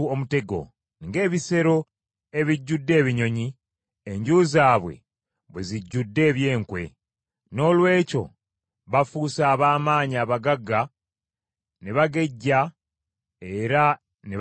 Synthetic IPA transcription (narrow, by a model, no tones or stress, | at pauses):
omute̞ɡo̞̰ | niŋɡe̞ːβise̞ɾo̞ | e̞βiɟːudːe̞ːβiɲo̞ɲi | eɲɟuːzaːβwe̞̰ | βweziɟːudːe̞ːβje̞ːŋkwe̞̰ | no̞ːlwe̞ːco̞̰ | βafusaːβaːmaːɲiaβaɡaɡa | neβaɡe̞ɟːa | e̞ɾa | ne